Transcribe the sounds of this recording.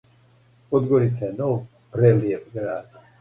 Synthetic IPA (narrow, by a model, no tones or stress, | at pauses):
pɔd̪ɡɔɾit̪sʰanɔv | pɾɛliɛpʼɡɾaːd̪